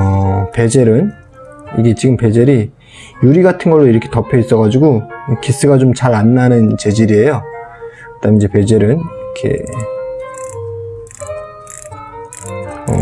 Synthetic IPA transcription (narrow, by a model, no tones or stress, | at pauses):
ʌpe̞d͡ʑe̞ɾɯn | iɡe̞t͡ɕiɡɯmpe̞d͡ʑe̞ɾi | juɾiɡatʰɯnɡʌɭːoiɾʌkʰe̞tʌpʰjʌis͈ʌɣad͡ʑiɡukis͈ɯɡat͡ɕomt͡ɕaɾanːanɯnt͡ɕe̞d͡ʑiɾie̞jo | kɯt͈amid͡ʑe̞pe̞d͡ʑe̞ɾɯnɾkʰe̞̰ | ʌ̰